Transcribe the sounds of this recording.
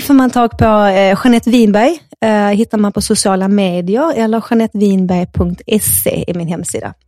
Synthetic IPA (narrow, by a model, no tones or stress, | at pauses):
fœːɾmant̪ʰɑːɡpʰɔɧanɛt̪ːviːnbæjɦɪt̪ːaɾmanpʰɔsʊsɪɑːlameːd̪ɪəɾɛlːəɾɧanɛt̪ːviːnbæjpʰɵŋkt̪ɛsḛːɪ̰mɪnɦɛmːsḭːd̪a̰